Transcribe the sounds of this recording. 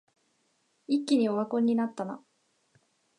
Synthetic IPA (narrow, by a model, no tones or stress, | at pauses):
ikʲːiɲ̟io̞βakõ̞ɲ̟ːinat̪ːana̰